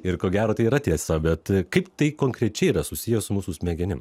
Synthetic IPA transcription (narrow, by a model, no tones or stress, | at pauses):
ɪɾkoːɡʲæːɾoːt̪ɐɪiːɾɐt̪ʲiɛsɐbʲɛt̪kɐɪpt̪ɐɪkoːŋkɾʲɛt͡ʃʲɛɪiɾɐsʊsʲɪjɛsʊmuːsʊsʲmʲɛːɡʲɛnʲɪm